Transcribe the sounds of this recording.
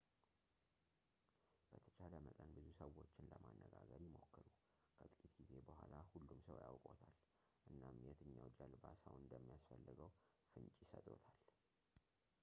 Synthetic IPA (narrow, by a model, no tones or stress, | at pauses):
b̥ət̪ʰə̥t͡ʃʰaləməkʼənbɨzusəwo̞t͡ʃːɪnləmanːəɡaɡəɾjɪmo̞kʰːɨɾu | kʰət̪ʼɨkʼit̪ɡ̥ize̞bəhʷalahulːumsəwjawkʼo̞t̪ʰal | ʔɨnːamjɛt̪ʰɨɲːawd͡ʒalbasəwnɨnd̪əmːijasfəlːɨɡəw | fɨnt͡ʃʼjɪsət̪ʼo̞t̪ʰal